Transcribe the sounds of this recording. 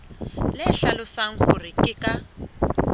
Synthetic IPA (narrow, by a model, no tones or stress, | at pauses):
lɛɬalʊsaŋ̩hʊ̰rikʼɪkʼa